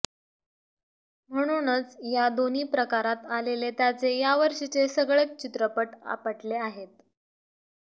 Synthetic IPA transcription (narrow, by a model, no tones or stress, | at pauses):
m̤əɽ̃unət͡sjad̪oniːpɾəkaɾat̪alelet̪jat͡sejaʋəɾʂit͡sesəɡɭek̚t͡ɕit̪ɾəpəʈa̰pəʈleaɦet̪̚